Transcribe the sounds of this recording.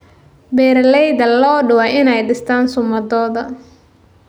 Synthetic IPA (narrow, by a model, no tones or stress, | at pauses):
bɛːrlɛjd̪ɐlɔːɖʊwaɪnɛjɖɪst̪ʰaːnsʊmɐðɔːðɐ